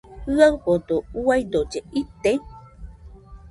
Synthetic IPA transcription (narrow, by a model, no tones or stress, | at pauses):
hɯawpod̪ouajd̪od͡ʒeit̪e